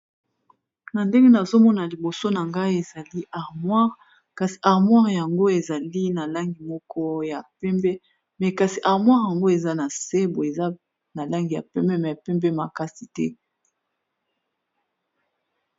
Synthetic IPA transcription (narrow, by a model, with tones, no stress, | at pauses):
na˨nde˦ŋɡe˦na˨zo˦mɔ˦na˨li˨bo˨so˦na˨ŋɡa˦i˦e˨za˨li˦ʔa˨ʁmwa˦ʁ | ka˨si̥˨ʔa˨ʁmwa˦ʁja˨ŋɡo˦e˨za˨li˦na˨la˦ŋɡi˨mɔ˦kɔ˦ja˨pɛ˦mbɛ˦ | mɛ˨ka˨si˨ʔa˨ʁmwa˦ʁja˨ŋɡo˦e˨za˦na˨se˦bo˨e˨za˦ | na˨la˦ŋɡi˨ja̰˨pɛ˦mbɛ˦mɛ˨ja˨pɛ˦mbɛ˦ma˨ka˦si˨tɛ̰˦